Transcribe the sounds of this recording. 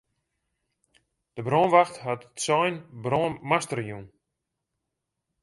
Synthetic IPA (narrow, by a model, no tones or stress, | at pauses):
d̥əbroːnʋaxtɦatsɔjnbroːmastərjun